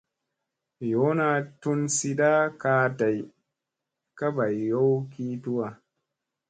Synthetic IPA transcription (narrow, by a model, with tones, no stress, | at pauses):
jo˨˦na˨tu˦nsi˦ɗa˦kaː˧˦da˨j | ka˦ba˨jjo˦wki˦tu˦wa˨